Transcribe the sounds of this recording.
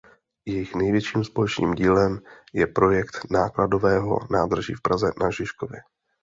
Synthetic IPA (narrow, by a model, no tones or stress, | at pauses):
jɛjɪxnɛjvjɛʃiːmspo̞lɛt͡ʃnḭːmɟiːlɛmjɛpɾo̞jɛkt̪naːklado̞vɛːɦo̞̰naːd̪r̩ʒḭːfpɾazɛnʔaʒɪʃkovjɪ